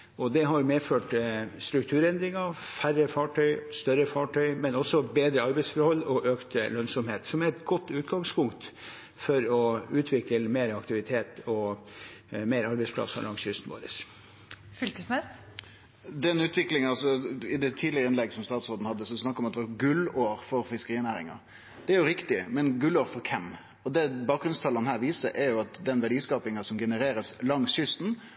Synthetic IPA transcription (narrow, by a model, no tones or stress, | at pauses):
ɔd̪ɛɦɑɾjʊmeːføːʈst̪ɾʉk̚t̪ʰʉːɾɛnd̪ɾɪŋɑfærːəfɑʈʰœʏst̪œɾəfɑʈʰœʏmɛnɔsːɔbeːd̪ɾəɑɾbɛɪsfɔɾhɔlːɔʔøːkt̪əlœnsɔmheːt̪sɔmæɾɛt̪ɡɔt̪ːʉːt̪ɡɑŋspʊŋkt̪ | fɔɾɔʉːt̪ʰʋɪkəlmeːɾɑkt̪ɪʋɪt̪ʰeːt̪ɔ | meːɾɑɾbɛɪspʰlɑ̰sɑ̰lɑŋsjʏst̪n̩ʋo̰ːɾə̰s | fʏlkəsmɛs | d̪ɛnʉːt̪ʰʋɪklɪŋɑɑsɔɪd̪ɛt̪ʰiːlɪɾəɪnɛɡsɔmst̪ɑːt̪sɔɾd̪n̩hɑd̪ːəsɔsnɑkːɾɔmɑt̪ɛʋɑɡʉloːɾfɔɾfɪskəɾiːnæːɾɪ̰ŋɑ̰ | d̪̥ɛæɾjʊɾɪkt̪ɪmɛnɡʉloːɾfɔɾkʰɛm | ɔd̪ɛbɑːk̚ɡɾʉnst̪ʰɑlənhæːɾʋiːsəɾʔæɾjʊɑt̪d̪ɛnʋæɖiːskɑːpɪŋɑsɔmɡɛnəɾeːɾəslɑŋsʏst̪n